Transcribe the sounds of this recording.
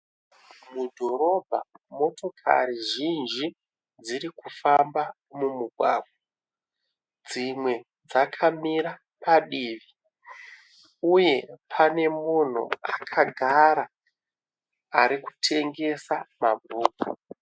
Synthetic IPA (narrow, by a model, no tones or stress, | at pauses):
mudʱo̞ɾo̞bʱa̰mo̞to̞kʰa̰ɾiʒind͡ʒi | d͡ziɾikufamba | mumuɡʱwa̰ːɡwa | d͡zimwe̞ | d͡zakʰamiɾa | paɗiːʋi | uje̞pʰane̞mun̤ṵakʰaɡʱaɾa | aɾiku̥tʰe̞ŋɡe̞samabʱuːku